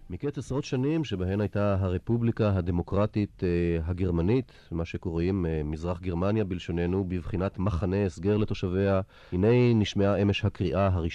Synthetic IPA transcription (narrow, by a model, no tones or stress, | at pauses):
miket͡sasaʁo̞tʃanimʃebaɦe̞majtaɦaʁepublikaɦad̪e̞mo̞kʁatit̪ɦaɡe̞ʁmanit̪ | maʃeko̞ʁimmizʁaχɡeʁmanjabilʃo̞ne̞nubivχinat̪maχaneesɡeʁle̞t̪o̞ʃave̞a | hine̞jniʃmeaʔemeʃhakʁiʔaɦaʁiʃ